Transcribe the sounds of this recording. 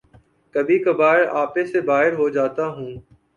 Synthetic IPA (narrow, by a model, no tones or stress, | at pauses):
kəbʱiːkəbaːɪɾaːpesebaːɦɪɾɦod͡ʒaːt̪aɦũː